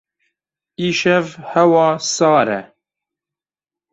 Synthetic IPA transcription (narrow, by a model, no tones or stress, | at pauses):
iːʃɛvhɛwɑːsɑːɾɛ̰